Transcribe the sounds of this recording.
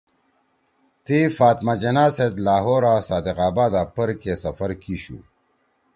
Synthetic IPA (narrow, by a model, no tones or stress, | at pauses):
t̪ifaːt̪mad͡ʑɐnaːsed̪laːɦoːɾaːsaːd̪eqaːbaːd̪aːpɐɾkesɐfɐɾkiɕṵː